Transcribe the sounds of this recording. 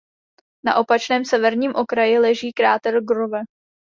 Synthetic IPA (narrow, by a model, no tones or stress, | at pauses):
na̰ʔo̞pat͡ʃnɛːmsɛvɛɾɲiːmʔo̞kɾajɪlɛʒiːkɾaːt̪ɛlɡɾovɛ